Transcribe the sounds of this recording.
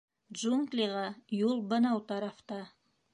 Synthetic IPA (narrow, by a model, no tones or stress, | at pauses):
d̪ʒuŋɡlʲiʁɑjulˠbɤ̆nɑwt̪ɑɾɑft̪ɑ